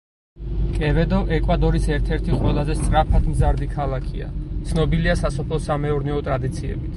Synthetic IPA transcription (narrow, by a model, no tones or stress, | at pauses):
kʼɛvɛd̪ɔʔɛkʼwad̪ɔɾisɛɾt̪ʰɛɾt̪ʰiqʼwɛlˠazɛst̪sʼɾapʰad̪ʰmzaɾd̪ikʰalˠakʰia̰t̪sʰnɔbiliasasɔpʰlˠɔsamɛɔɾnɛɔt̪ʼɾad̪it̪sʰiɛ̰bit̪ʰ